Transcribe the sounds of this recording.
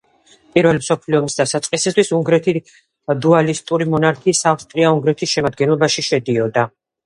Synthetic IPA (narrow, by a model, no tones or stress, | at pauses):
pʼiɾvɛlimsɔpʰliɔmisd̪asat̪sʼqʼisist̪ʰwisuŋɡɾɛt̪ʰi | d̪ualist̪ʼuɾimɔnaɾkʰiːsafst̪ʼɾiauŋɡɾɛt̪ʰisʃɛmad̪̚ɡɛnlˠɔbaʃiʃɛd̪iɔd̪a